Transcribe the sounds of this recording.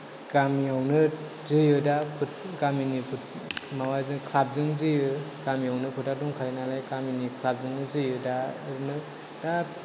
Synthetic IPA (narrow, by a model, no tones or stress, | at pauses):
ɡ̥amiawnɯ | zɯjɯdapʰɯtɡaminipʰu | mawazɯkʰlap̚zɯŋzɯjɯɡ̥amijawnɯpʰɯtaduŋkʰajnalajɡaminikʰlap̚zɯŋnɯzɯjɯdanɯ | da